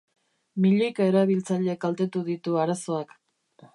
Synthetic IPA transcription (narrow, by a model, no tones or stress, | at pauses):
miʎejkae̞ɾaβ̞ilt͡saʎekalt̪e̞t̪uðit̪uaɾaso̞ak